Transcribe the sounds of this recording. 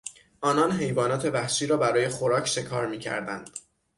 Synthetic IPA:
ʔɒːnɒnɦe̞jvɒːnɒːt̪ʰe̞væhʃiːɾɒːbæɾɒːje̞xo̞ɾɒːcʰʃe̞kʰɒːɾmiːcʰæ̰ɾd̪æ̰nd̪̥

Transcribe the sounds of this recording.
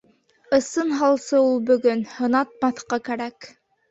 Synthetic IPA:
ɤ̆sɤnɦɑlˠsɤulˠbɵ̆ɡɵnhɤ̆nɑt̪̚mɑθqɑkæɾæk

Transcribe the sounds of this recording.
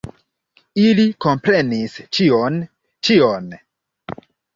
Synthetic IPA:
iliko̞mpɾe̞nist͡ʃion | t͡ʃion

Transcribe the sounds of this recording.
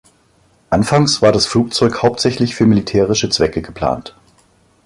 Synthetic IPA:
ʔanfaŋsv̥aːɐdasfluːk̚t͡sɔʏkhaʊp̚tz̥ɛçlɪçfyːɐmilitʰɛːʁɪʃət͡sv̥ɛkəɡəpʰl̥a̰ːnt

